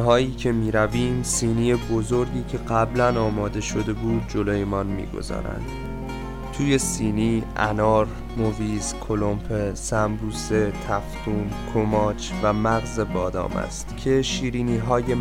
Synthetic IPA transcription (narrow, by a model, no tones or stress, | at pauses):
ɦɒːiːcʰe̞miːɾæviːmsiːniːje̞bo̞zo̞ɾɟiːcʰe̞ɢæblænɒːmɒːd̪e̞ʃo̞d̪e̞buːd̪̚d͡ʒo̞loːje̞mɒnmḭːɡo̞̰zɒ̰ːɾæ̰nd̪̥ | t̪ʰuːje̞siːniːæ̰nɒːɾ | moviːzkʰo̞lo̞mpʰesæmbuːse̞t̪ʰæft̪ʰuːnkʰomɒːt͡ʃʰvæmæɣze̞bɒːd̪ɒ̰ːmæ̰st̪cʰe̞ʃiːɾiːniːɦɒːje̞